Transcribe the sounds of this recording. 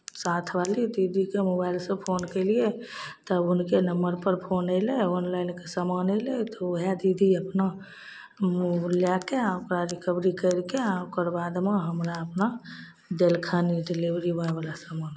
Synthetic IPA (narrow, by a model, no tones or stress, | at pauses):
sat̪ʰbalid̪id̪ʱikemobaɪlsə̃pʰonkəɪliet̪ɔbʊnkenəmbəɾpəɾpʰonəɪleɔnlaɪnkesəmanəɪlet̪ɔɦed̪id̪ʱiəpna | ljakeaokɾaɾikəbɾikəɪɾkeaokəɾbad̪meɦəmɾaəpna | d̪elkʰəniɖilibɾibə̃ebalasəman